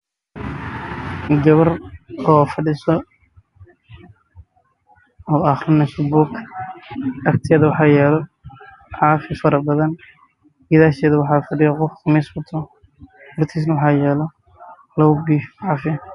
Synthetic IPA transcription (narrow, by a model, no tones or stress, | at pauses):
ɡɐβɐrɔːfɐɖɪsɔ | ɔːɑxrɔnɐʃɪbʊkʰ | ɐkt̪ʰɪjɐðɐwɑħɑːjɛːlɔ | ħɑːfɪfɐɾɐbɐðɐn | ɡɪðaːʃɛːðɐwɑħɑːfɐɖɪjɐqɔfmɛsbʊt̪ʰɔ | hʊrt̪ʰiːs̬nɐwɑħɑːjɛːlɔ | lɐwʊbiːʕɑːfɪ